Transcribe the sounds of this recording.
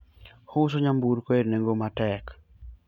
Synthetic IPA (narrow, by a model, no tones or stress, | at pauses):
hʊs̬oɲambuɾkoeɾneŋɡomatɛk